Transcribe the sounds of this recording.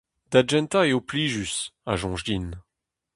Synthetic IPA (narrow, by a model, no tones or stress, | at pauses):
d̪ad͡ʒɛ̃nt̪aeopliːʒysaʒɔ̃ʒdin